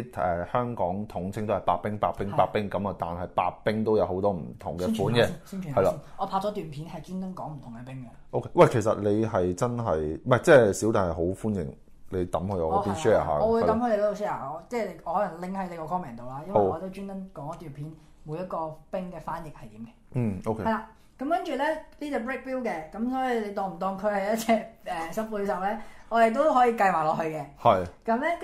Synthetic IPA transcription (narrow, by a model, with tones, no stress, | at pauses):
ɛ˨hœː˥ŋkɔː˨˥ŋt̪ʰʊ˨˥ŋt͡sʰɪ˥ŋt̪o˥hɐ˨˩jpa̰ː˧k̚pɪ˥ŋpaː˧˥pɪ˥ŋpaː˧k̚pːɪ˥ŋkɐ˨˦mɐ˧t̪a̰ː˨nɦɐ˨jpa̰ː˧k̚pɪ˥ŋt̪o˥wjɐ˨˧who˨˥wt̪ɔː˥m̩˨˩t̪ʰʊ̰˨˩ŋkɛ˧˥fuː˨˥nkɛ˧˥siː˥nt͡ʃʰy˨˩hɐ˨jla˧˥ɔː˨˧pʰa˧ɔː˨˥t̪yː˨˩npʰiː˨˥nhɐ˨jt͡ʃyː˥nt̪ɐ˥nkɔː˨˥ŋm̩˨˩t̪ʰʊ˨˩ŋkɛ˧pɪ˥ŋkɛ˧ʔo˥wkʰe˨˧˥wɐ˨jkʰe˨˩sɐ̰˨t̚le˨˧jɦɐ˨jt͡sɐ˥nɦɐ˨jmɐ˨jt͡sɛː˥˩si˨˥wt̪aː˨˩hɐ˨˩ɦo˨˥wfuː˥njɪ̰˨˩ŋ | le˨˧jt̪ɐ˨˥mhɵ˧jɔ̰˨˧ɔː˨˧˥pi˥nʃɛː˥a̰ː˨ɦa̰ː˧kːwu˨˧jtɐ˨˥mhɵ˧le˧lt̪ːsʃɛː˥aː˨˩˨t͡sɛː˥˩le˨˧ɔː˨˧hɔ˨˥lɐ˨˩ŋlɪ˧ŋhɐ˨˥jle˨˧kɔː˧kʰɔː˥mɛː˨˩nt̪o˨wlaː˥jɐ˥wɔː˨˧t̪o˥wt͡ʃyː˥nt̪ɐ˥nkɔː˨˥ŋɐ˥t̪yː˨˩npʰiː˨˥n | mu˨˧jɐ˥t̚kɔː˧pɪ˥ŋkɛː˧faː˥njɪ˨k̚hɐ˨jt̪iː˨˦mkɛː˧˥˨o˧kʰeɐ˨jlaː˧ | kɐ˨˥mkɐ˥nt͡ʃyː˨˩lɛ˥liː˥t͡sɛː˨˧p̬ɹɪ˥k̚piː˥wkɛː˧kɐ˨˦˥msɔː˨˥jiː˨˧le˨˧jt̪ɔː˨˩ŋm̩˨˩t̪ɔː˨˩ŋkʰɵ˧hɐ˨˩jɐ˥t̚t͡sʰɛː˧ʔɛː˨sɐ˨˥puː˧sɐ˨˩wlɛː˥ɔː˨˧je˨˩t̪̬o˥wɦɔː˨˥jiː˧kɐ˧jwaː˨˩lɔː˨˩hɵ˧ɥkɛː˧hɐ˨jkɐ˨˥mlɛ˥